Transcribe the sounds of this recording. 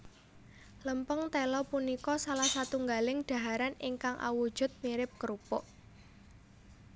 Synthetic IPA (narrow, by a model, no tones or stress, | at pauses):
ləmpəŋt̪elɔpunikɔsalahsat̪uŋɡalɪŋɖ̥a̤ɦaɾanɪŋkaŋʔa̰wud̥ʒ̥ʊ̤t̪̚miɾɪp̚kəɾupɔʔ